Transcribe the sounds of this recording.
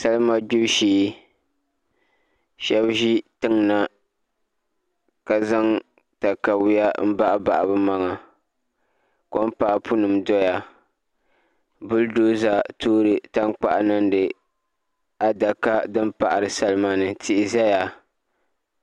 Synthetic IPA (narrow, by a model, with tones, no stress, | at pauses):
sa˦lɨ˦ma˦ɡ͡bu˦bʃiː˦ | ʃɛ˦bʒi˦tɨ˦ŋna˨ | ka˨za˦ŋ | ta˨ka˨wɪ˦ja˦m̩˦ba˦ʔa˦ba̰˨ʔa˨bɨ˦ma˦ŋa˨ | ko˦m˦pa˦ʔpu˦nɨ˨mdɔ˦ja˨ | bʊ˦ldoː˦za˨toː˦ɾɨ˨ta˦ŋk͡pa̰˦ʔnɨ˦n˦dɨ˨ | a˦da˨ka˦dɨ˦mpa˨ʔa˨ɾɨ˨sa˦lɨ˦ma˦nɨ˨tʰɪ˦ʔɪ˨za˦ja˨